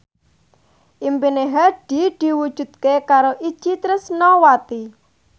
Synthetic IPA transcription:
ʔimpineɦaɖ̥i̤d̪̥i̤wud̥ʒ̥ṳt̪̚kekaɾoʔid̥ʒ̥it̪ɾɪsnɔwat̪i

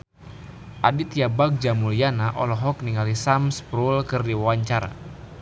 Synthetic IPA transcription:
ʔadit̪jabak̚d͡ʒamulianaʔɔlɔɦɔk̚niŋalisamspɾulkɨrdiwawaɲt͡ʃaɾa̰

